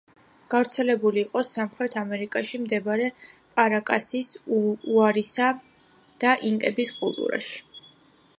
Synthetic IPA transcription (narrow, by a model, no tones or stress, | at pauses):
ɡ̥avɾt̪sʰɛlɛbuliːqʼɔsamχɾɛt̪ʰamɛɾikʼaʃimd̪ɛbaɾɛpʼaɾakʼasisuaɾisa | d̪̥aʔiŋkʼɛbiskʼṵlˠt̪ʼṵɾa̰ʃi̥